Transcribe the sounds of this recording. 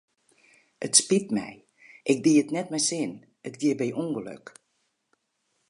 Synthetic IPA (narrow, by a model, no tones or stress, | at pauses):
ʔətspitmɛ̰j | ʔɪk̚diəətnɛtmɛjsɪn | ətɡjiəbɛjʔuŋɡəlø̰k